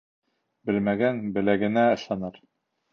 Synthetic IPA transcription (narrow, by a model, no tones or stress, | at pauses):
bɘ̆lmæɡænbɘ̆læɡɘ̆næɤ̆ʃˠɑnɤɾ